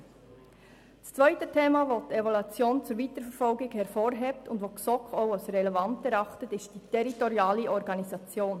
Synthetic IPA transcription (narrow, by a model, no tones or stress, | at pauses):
t͡st͡svœʏtətʰeːmɑvoːtevɔlut͡sjoːnt͡suɾviːtəɾfəɾfɔlɡɪɡhɛɾfoːɾɦeːp̚tʊndvʋoːksɔkχoʊaʊsɾɛlɛvɑntɛɾɑχtətɪstd̥itʰɛɾitɔɾjɑːliʔɔɾɡɑnisɑt͡sjoːn